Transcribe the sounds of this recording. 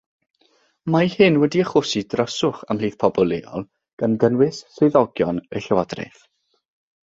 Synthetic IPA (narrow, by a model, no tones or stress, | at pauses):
majhɨnwɛdiəχʊsidrəsʊχa̰mliːθpʰɔbɔlˠeːɔ̰lˠ | ɡ̥ənɡənwɪssɔðɔɡjɔnəɬɛwadrɛ̰θ